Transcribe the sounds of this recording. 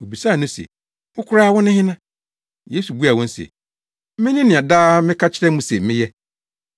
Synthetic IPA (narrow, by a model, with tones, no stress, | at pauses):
o˨bi˨sa˦˨nʊ̃˦sɛ̰˨ | mʊ̃˦kʰʊ˦ɾaː˦˨wɔ̃˦nɪ̃˦hɪ̃˦nã˦ | je˦su˨bu˦a˨wɔ̃˦n̩˦sɛ̰˨˦ | mɪ̃˦nɪ̃˦nɪ̃˨a˨daː˦mɪ̃˦kʰa˦t͡ɕʰɪ˦ɾɛ̃˦mũ˦sɛ˨mɪ̃˦jɛ˦